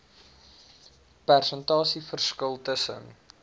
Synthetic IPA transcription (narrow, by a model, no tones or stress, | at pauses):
pærsəntɑːsifərskəlˠtəsə̰n